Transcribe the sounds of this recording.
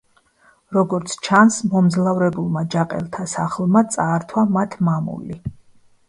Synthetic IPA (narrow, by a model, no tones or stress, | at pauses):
ɾɔɡɔɾt̪sʰt͡ʃʰansmɔmzlˠavɾɛbulˠmad͡ʒaqʼɛ̰lˠt̪ʰasaχlˠmat̪sʼaːɾt̪ʰwamat̪ʰmamṵli